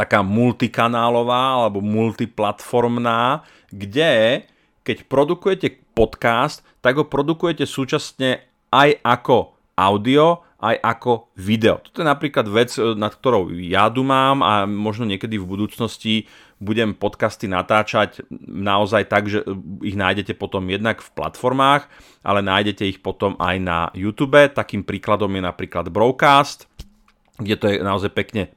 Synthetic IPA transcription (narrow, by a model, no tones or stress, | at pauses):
t̪akaːmult̪ikanaːlɔʋaːalɛbɔmult̪iplat̪fɔɾmnaː | ɡɟɛ | kɛcpɾɔd̪ukujɛcɛpɔt̪kast̪ːaɡɦɔpɾɔd̪ukujɛcɛsuːt͡ʃasɲɛ | ajʔakɔ | ʔaʊd̪iɔ | ʔajʔakɔʋid̪ɛɔ̰t̪ɔ̥t̪ɔjɛnapɾiːklad̪ʋɛt͡snat̪k̚t̪ɔɾɔʊjat̪umaːma̰mɔʒnɔɲɪɛkɛd̪ivbud̪uːt͡snɔsci | buɟɛmpɔt̪kast̪inat̪aːt͡ʃacnaɔzajt̪aɡʒɛiɣnaːjɟɛcɛpɔt̪ɔmjɛd̪nakfpla̰t̪fɔɾmaːx | ʔa̰lɛnaːjɟɛcɛixpɔt̪ɔma̰jna̰jut̪uːbɛt̪akiːmpɾiːklad̪ɔmjɛnapɾiːklad̪bɾɔʊkaːst̪ | ɡɟɛt̪ɔjɛnaɔzajpɛkɲɛ